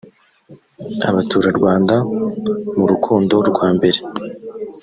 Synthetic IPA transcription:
a̰βatuːɾaɾɡwaːnda | muɾukʰuːndo̞ɾɡwaːmbe̞ɾe̞

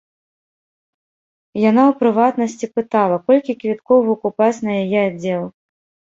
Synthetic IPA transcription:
janawpɾɨvat̪nɐsʲt͡sʲipɨt̪alˠɐkɔlʲkʲikvʲit̪kɔvukupat͡sʲnɐjajɛad͡zʲɛlˠ

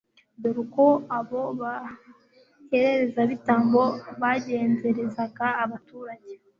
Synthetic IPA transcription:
doɾukoaβo̞βa | he̞ɾe̞ɾe̞zaβitaːmbo̞βaɟe̞ːnze̞ɾe̞zaɡaːβatuːɾaɟe

